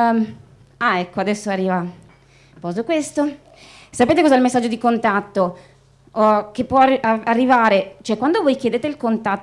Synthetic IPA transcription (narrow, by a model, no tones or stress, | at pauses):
aɛkːoad̪ɛsːoarːiːva | pɔzokwest̪o | sapeːt̪ekozɛilmesːad͡ʒːod̪ikont̪at̪ːo | ok̟epːwɔaarːivaːɾet͡ʃoɛkwand̪ovoːjkʲjed̪eːt̪eilkont̪at